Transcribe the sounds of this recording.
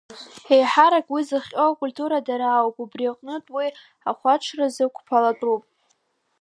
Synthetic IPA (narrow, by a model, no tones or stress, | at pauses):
ejħaɾakʼwizɨχʲʼokʷʼulʲtʰʼuɾadaɾaːwpʼubriaqʼnɨtʼwi | aχʷaʈ͡ʂʰrazɨkʷʰpʰalatʼupʼ